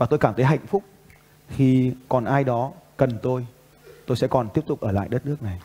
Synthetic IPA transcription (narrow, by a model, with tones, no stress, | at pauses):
vaː˨˩o˧jkaː˧˩mt̪ʰə˨˦jɦa̰˧˨jŋ̟fʊ˦˥k͡p̚ | xi˧kɔ˨˩nʔaː˧jɗɔ˨˦kə˨˩nt̪o˧j | t̪o˧jsɛ̰˧˥kɔ˨˩nt̪i˦˥p̚t̪ʊ˨˩k͡p̚ʔəː˧˩la̰ː˧˨jɗə˦˥t̚nɨ˦˥ək̚na˨˩j